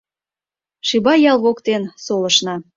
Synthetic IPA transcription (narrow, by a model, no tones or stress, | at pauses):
ʃibɑjɑlˠβokt̪ensoləʃnɑ